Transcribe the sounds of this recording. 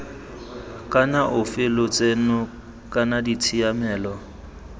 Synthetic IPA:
kʼanaʔʊfɪlʊt͡sʼenʊ | kʼanaditʰijamɛːlɔ

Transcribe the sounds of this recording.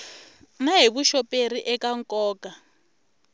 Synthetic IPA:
naɦiβuʃɔpʼeriʔɛkaŋkʼɔːkʼa

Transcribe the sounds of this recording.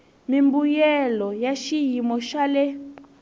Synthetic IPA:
mimbujɛlɔjaʃijimɔʃalɛ

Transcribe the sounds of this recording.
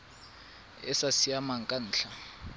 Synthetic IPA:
ɛ̰sasiamaŋkʼan̩ːɬʰa

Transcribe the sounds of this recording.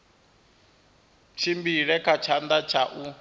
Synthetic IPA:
t͡ʃʰimbiɺɛkʰat͡ʃʰand̪at͡ʃʰaʔu

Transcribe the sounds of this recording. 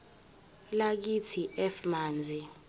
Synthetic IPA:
lak̬itʰiʔɛfmaːnd͡zʱi

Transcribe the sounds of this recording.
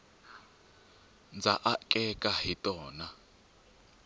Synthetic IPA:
nd͡zaʔakʼɛkʼaɦitʼɔːna

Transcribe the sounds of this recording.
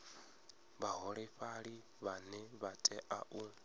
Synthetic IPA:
βaɦɔɺɛɸaɺi | βanɛβatʼɛʔa̰ʔu

